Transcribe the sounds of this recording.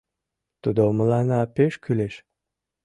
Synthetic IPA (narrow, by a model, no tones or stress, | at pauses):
t̪ud̪oməlɑnɑpeʃkʰyleʃ